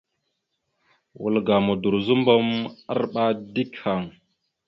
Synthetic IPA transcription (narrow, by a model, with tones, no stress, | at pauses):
wṵ˨lɡa˨mu˨du˨ɾzu˦mbo˦ma˦ɾɓa˦di˦kha˨ŋ